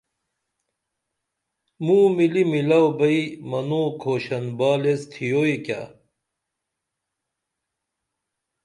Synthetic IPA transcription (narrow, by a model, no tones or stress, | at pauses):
muːmilimilɐwbɐimɐnoːkʰoːɕɐnbaːlest̪ʰijoika̰